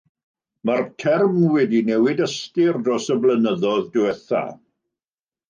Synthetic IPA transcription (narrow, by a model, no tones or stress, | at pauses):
martʰɛrmwɛdinɛwɪdəstɪrdɔsəblənəðɔðdɪɛθa̰